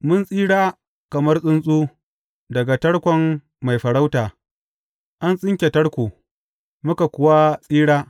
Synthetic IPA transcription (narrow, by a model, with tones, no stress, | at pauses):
mʊ˦nsʼiː˦ɽaː˦ | kɐ˨mɐ˦rsʼʊ˦nsʼuː˦ | dɐ˨ɡa˨tɐ˦ɽkʷɔ˦mː | a˨jɸɐ˨ɽa˦wtaː˨ | ʔa˦nsʼɪ˦ŋkʲe˨tɐ˦ɽkʷu˨ | mʊ˦ka˨kʷʊ˨wa˦sʼiː˦ɽaː˦